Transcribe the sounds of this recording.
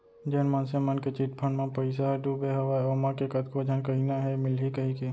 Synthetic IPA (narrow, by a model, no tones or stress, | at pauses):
d͡ʒeːnmãnsemənket͡ʃiʈ̚pʰə̃ɳmãpɐɪs̬aɦɛɖubeɦɐʋaːoːmãkekɐt̪kod͡ʒʱənkɐɦinaɦɛmɪlɦikɐɦikeː